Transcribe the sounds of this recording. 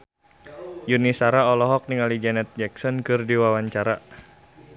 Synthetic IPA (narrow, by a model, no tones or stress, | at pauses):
junisaɾaɔlɔɦɔk̚niŋalid͡ʒɛnɛt̪̚d͡ʒɛk̚sɔnkɨrdiwawaɲt͡ʃaɾa